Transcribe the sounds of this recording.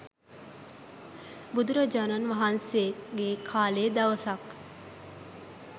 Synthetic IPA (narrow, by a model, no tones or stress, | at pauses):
bud̪uɾɐd͡ʒanɐnʋɐɦanseɡeːkʰaːleːd̪ɐʋɐsɐk